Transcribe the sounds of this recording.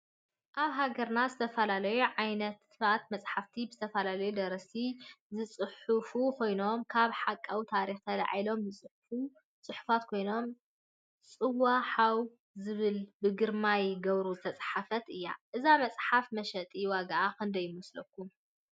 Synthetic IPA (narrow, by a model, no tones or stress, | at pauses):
ʔaβɦaɡɐɾnazɨt̪ʰɐfɐlalɐjuʕajnɐt̪ | at̪mɐsʼħaft̪ʰibɨzɨt̪ʰɐfɐlalɐjud̪ɐɾɐsizɨt͡sʼɨħufukʰo̞jno̞mkʰaβħakʼːawt̪ʰaɾixt̪ʰɐla̰ʕjlo̞mbɨt͡sʼɨħfu | t͡sʼɨħu̥fat̪kʰo̞jno̞m | t͡sʼɨwaħaw | zɨβɨlbɨɡɨɾmajɡɐβɾuzɨt̪ʰɐt͡sʼħafɐt̪ɨjːa̰ʔɨzamɐt͡sʼħafmɐʃɐt̪ʼiwaɡaʔakʰɨnd̪ɐjɪmɐslɐkːum